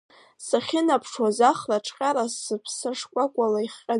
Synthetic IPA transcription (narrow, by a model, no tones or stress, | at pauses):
saχʲɪnapʰʂwazaχlaʈ͡ʂʰʼqʲʼaɾasɨpʰsaʂkʷʼakʷʼalaiχqʲʼa